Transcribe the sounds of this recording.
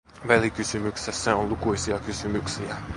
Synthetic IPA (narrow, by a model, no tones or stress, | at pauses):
ʋælikysymyksesːæonlukuisiɑkysymyksiæ